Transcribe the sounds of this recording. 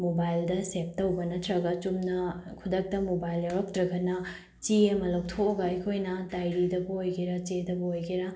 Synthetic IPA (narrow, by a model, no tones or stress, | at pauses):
mobajldɐsep̚tɐwbɐnɐtʰɾɐɡɐt͡ʃumnɐkʰudɐk̚tɐmobajlɐɾɐk̚tɾɐɡɐnɐ | t͡ʃiɐmɐlɐwtʰooɡɐɐjkʰojnɐtajɾidɐbɐojɡiɾɐt͡ʃedɐbɐojɡiɾɐ